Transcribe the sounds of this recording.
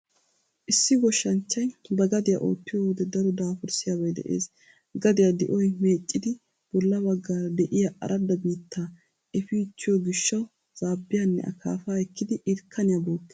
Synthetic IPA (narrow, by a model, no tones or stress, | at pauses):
ʔɪsːɪɡɔʃːɐnt͡ʃːɐjbɐɡɐd̪ɪja̰ʔo̰ːt̪ːɪjowɔd̪ɛd̪ɐɾɔd̪aːfʊɾsɪjaːbɐjd̪ɛ̰ʔḛːs | ɡɐd̪ɪjad̪ɪʔɔjme̞ːt͡ʃʼːɪd̪ɪ | b̥ɔlːɐbɐɡːaːɾɐd̪ɛʔɪjɐʔɐ̰ɾʔɐd̪ɐbiːt̪ʰːaː | ʔɛfiːt͡ʃːɪjɔɡɪʃːɐw | z̥aːbːɪjanːɛ̰ʔɐ̰kʰa̰ːfaːɛkːɪd̪ɪʔɪɾkʰːɐnɪjabo̞ːkːɪ